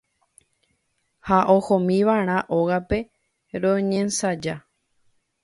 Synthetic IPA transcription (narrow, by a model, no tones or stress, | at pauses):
haʔohõmĩʋaɾ̃ãʔoɣape̞ | ɾõɲẽnsad͡ʒa